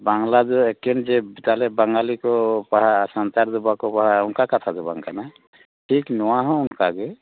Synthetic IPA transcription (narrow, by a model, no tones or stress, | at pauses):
baŋlad̪ɔekːɛnd͡ʒɛbit̪alɛbaŋɡalikɔpaɦasant̪aɾd̪ubakɔpaɦaunkakat̪ʰad̪ɔba̰ŋka̰na | ʈʰiknɔwaɦɔ̃ʊnkaɡɛ